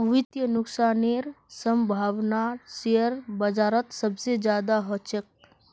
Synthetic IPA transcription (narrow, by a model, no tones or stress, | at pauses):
ʋɪt̪jənʊksaːneɾ | səmbʱaːʋnasejəɾbəd͡ʒaːɾət̪səbsed͡ʒjaːd̪aɦət͡ʃək̚